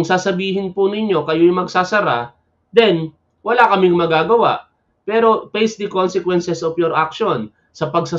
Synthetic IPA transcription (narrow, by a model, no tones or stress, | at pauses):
ŋsaːsɐbiːhɪnpʊnɪɲo̞kɐjojmɐɡsaːsɐɾa | d̪ɛn | wɐlakɐmɪŋmɐɡaːɡɐwa̰ʔ | pɛːɾo̞pɛjsd̪ɪkonsɛkwɛnsɛsʔofjoɾʔak̚ʃon | sɐpɐɡsa